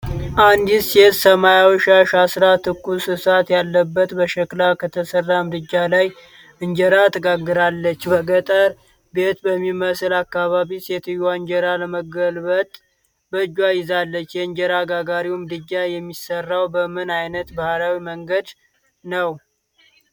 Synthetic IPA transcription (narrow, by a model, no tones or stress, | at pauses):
ʔand̪iset̪səmajawiʃaʃasɾat̪ʰɨkːusɨsat̪jalːəbːət̪bəʃəkʼlakʰət̪ʰəsərːamd̪ɨd͡ʒːalaj | ɨɲd͡ʒəɾat̪ʰəɡaɡːɨɾalːət͡ʃːbəɡət̪ʼəɾ | be̞t̪bəmːiməsɨlakːaβaβiset̪ʰɨjaɨɲd͡ʒəɾaləməɡəlbət̪ʼ | bəɨd͡ʒːwajɪzalːət͡ʃːjɛɨɲd͡ʒəɾaɡaɡaɾiwmɨd̪ɨd͡ʒːajɛmːisərːawbəmɨnajnət̪bahɾawiməŋɡəd̪ | nəw